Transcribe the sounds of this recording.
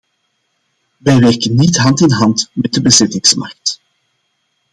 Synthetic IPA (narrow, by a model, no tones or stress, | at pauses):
ʋɛjʋɛrkənːitɦɑntɪnɦɑntmɛt̚dəbəzɪtɪŋsmɑ̰rk̚t